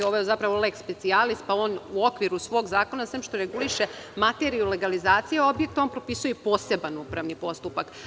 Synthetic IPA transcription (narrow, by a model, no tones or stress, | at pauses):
oʋojezapɾaʋo̞lekspe̞t̪sialist̪̚pao̞ːnuo̞kʋiɾusʋo̞ːɡzaːko̞nasʋeːmʃt̪oɾe̞ɡuliʃe̞mat̪e̞ɾijule̞ɡalizaːt̪sijeo̞bjek̚t̪onpɾo̞pisujepo̞ːse̞banupɾaʋnipo̞st̪upak